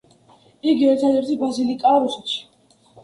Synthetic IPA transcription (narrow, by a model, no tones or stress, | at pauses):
iɡiɛɾt̪ʰad̪ɛɾt̪ʰibɾazilikʼaɾɔsɛʃi̥